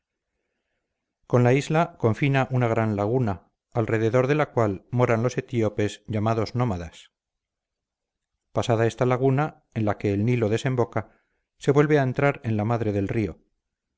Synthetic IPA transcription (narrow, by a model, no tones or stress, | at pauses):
ko̞nlaizlako̞ɱfinaʔunaɣ̞ɾanlaɣ̞una | alre̞ðe̞ðo̞ɾðe̞lakwalmo̞ɾanlo̞se̞t̪io̞pe̞zʝamaðo̞zno̞maðas | pasaðae̞st̪alaɣ̞una | enlake̞ːlnilo̞ðe̞se̞mbo̞ka | se̞βwe̞lβe̞aent̪ɾaɾe̞nlamaðɾe̞ðe̞lrio̞